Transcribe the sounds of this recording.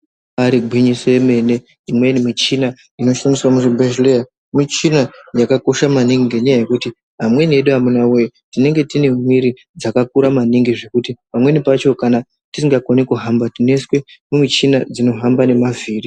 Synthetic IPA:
aɾiɡʱwiɲisoe̞me̞ne̞ | imwe̞nimit͡ʃina | ino̞ʃamiswamuʐebʱeʒlea | mit͡ʃinajakako̞ʃamaniŋɡeɲajaje̞kuti | ɦamwe̞nieɗuamunawejitine̞ŋɡe̞tine̞mwiɾi | d͡zakakuɾamaniŋɡiʐe̞kutipamwe̞nipat͡ʃo̞kana | tisiŋɡakonikuɦambatine̞swe̞mumit͡ʃinad͡zino̞ɦambane̞maviːri

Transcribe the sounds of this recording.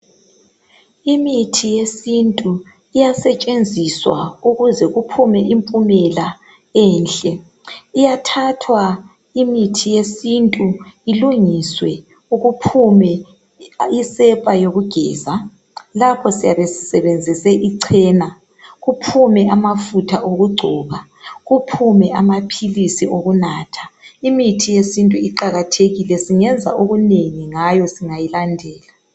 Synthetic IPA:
imitʰijesintʼu | ijasɛt͡ʃʼend͡zʱiswa̰uɣuzɛɣupʰumɛʔimpʼumɛla | ɛːnɬʼɛ | ijatʰatʰwa | imitʰijesintʼuiluŋiswɛ | uɣupʰumɛ | isɛpʼajoɣuɡ̥ʱɛːza | lapʰɔsijaβesi̥sɛβend͡zʱisɛʔiǀʰɛːna | ɣupʰumɛamafutʰaʔoɣuɡ͡ǀʱɔːβa | ɣupʰumɛamapʰilisiʔoɣunaːtʰḁimitʰijesintʼuiǃaɣatʰeɣilɛsiŋɛnd͡zʱa̰ʔoɣuneŋiŋajɔsiŋajilandʱɛːla

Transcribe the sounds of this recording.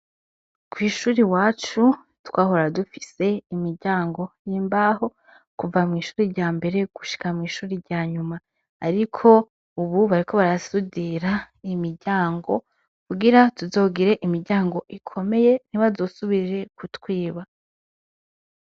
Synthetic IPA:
kwiːʃuːɾiwaːt͡ʃu | twaːɦo̞ɾadufi̥se̞imiɾɟaːŋɡo̞jiːmbaho̞ | kuvamŋiːʃuːɾiɾɟaːmbe̞ɾe̞ɡ̥u̥ʃi̥kamŋiːʃuːɾiɾɟaːɲumaː | ɾikʰo̞ | uβuβaɾiko̞βaɾasudiɾa | imiɾɟaːŋɡo̞ | kuɡiɾatuzo̞ːɡiɾe̞ʔimiɾɟaːŋɡo̞ʔikʰo̞me̞je̞niβazo̞ːsuβiɾɾe̞kʰutwiːβa

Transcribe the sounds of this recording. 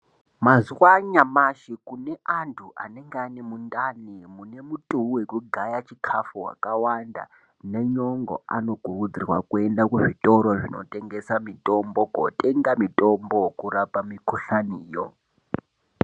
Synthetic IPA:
mazuwaɲamaʃikune̞antʰuʔa̰ne̞ŋɡeanemundanimune̞mutʼuuwekuɡʱajat͡ʃikʰafuɦwa̰kawanda̰ | ne̞ɲoŋɡo̰ano̞ɡʱurud͡zirwa̰kue̞ndakuʐitʼo̞ɾoʐino̰tʼe̞ŋɡesamitʼo̞mboko̰tʼe̞ŋɡamitʼombokuɾapamikuɬaniːjo̰

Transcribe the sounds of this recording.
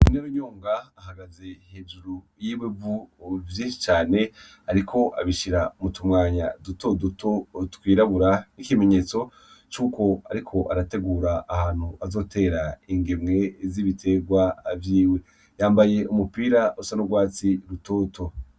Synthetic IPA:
ineɾuɲoːŋɡaːɦaɡaze̞he̞ːʒuɾu | jiːwevuvjĩːʃit͡ʃaːne̞ | aɾikʰo̞ʔa̰βiʃiɾamutumŋaːɲaduto̞duto̞tkwiːɾaβuɾanikime̞ɲe̞ːt͡so̞ | t͡ʃuːko̞a̰ɾikʰo̞ʔaɾate̞ɡuːɾaːhaːn̥huazo̞ːtʰe̞ːɾaiŋɡemŋe̞ziβitʰe̞ɡwavjiːwe̞ | jaːmbaje̞umupiːɾausanoɡwaːt͡siɾuto̞ːto̞

